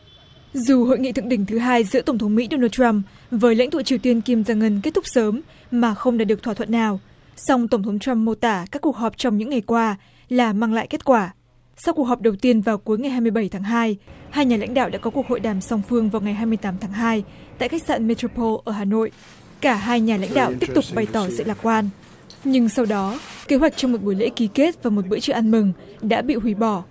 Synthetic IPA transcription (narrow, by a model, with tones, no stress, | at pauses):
zu˨˩ho̰˧˨jŋḭ˧˨t̪ɨ˧˨ə˨ŋɗï˧˩ŋ̟t̪ʰɨ˨˦ɦaː˧jzɨ̰˧˥t̪ə˧˩ŋ͡mt̪ʰə˨˦ŋ͡mmḭ˧˥ɗo˧naː˧t͡ɕwa˧m | vəː˨˦jla̰˧˥ŋ̟t̪u˧˨t͡ɕi˨əwt̪i˧ənki˧mzaː˧ŋə˧nke˦˥t̚t̪ʊ˦˥k͡p̚səː˨˦m | maː˨˩xə˧wŋ͡mɗaː˧˥ɨ˨˩ək̚t̪ʰwaː˧˩ə̰˧˨nːaː˨˩w | sɔ˧wŋ͡mt̪ə˧˩wŋ͡mt̪ʰə˨˦wŋ͡mt͡ɕa˧mːo˧t̪aː˧˩kaː˦˥kːu˨˩ək̚hɔ˨˩p̚t͡ɕɔ˧wŋ͡mɲɨ̰˧˥ŋa˨˩jkwaː˧ | laː˨˩maː˧ŋla̰ː˧˨jke˦˥t̚kwaː˧˩ | sa˧wku˨˩ək̚ɦɔ˨˩p̚ɗə˨˩wt̪i˧ənvaː˨˩wku˨˦jŋa˨˩jɦaː˧jmɨ˧əjɓə˧˩jt̪ʰaː˨˦ŋɦaː˧jhaː˧jɲaː˨˩la̰˧˥ŋ̟ɗa̰ː˧˨wɗa̰ː˧˥kɔ˨˦ku˨˩əkho̰˧˨jɗaː˨˩msa˧wŋ͡mfɨ˧əŋvaː˨˩wŋa˨˩jɦaː˧jmɨ˧əjt̪aː˨˦mt̪ʰaː˨˦ŋɦaː˧jt̪a̰ː˧˨jxa˦˥k̚sa̰ː˧˨nme˧to˧pʰo˧lʔəː˧˩ɦaː˨˩no̰˧˨jʔ | kaː˧˩ɦaː˧jɲaː˨˩la̰˧˥jŋ̟ɗa̰ː˧˨wt̪i˦˥əp̚t̪ʊ˨˩k͡p̚ɓa˧˩jt̪ɔ˧˩zɨ̰˧˨laː˨˩kwaː˧n | ɲɨ˧ŋsa˧wɗɔ˨˦ke˨˦ɦwa˨˩jk̟̚t͡ɕɔ˧wŋ͡mmo˨˩t̚ɓu˧˩jlḛ˧˥ki˨˦ke˦˥t̚vaː˨˩mo˨˩t̚ɓɨ̰˧˥t͡ɕɨ̰˧˩˨ʔa˧nmɨ˨˩ŋ | ɗa̰ː˧˥ɓḭ˧˨ɦwi˨˦ɓɔ˧˩